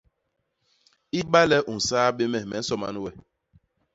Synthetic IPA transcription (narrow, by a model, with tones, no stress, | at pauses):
i˦ɓa˦lɛ˦ʔu˨n̩˨saː˦be˦mɛ˨mɛ̰˨n̩˦sɔ˨ma̰˦nu˦wɛ˨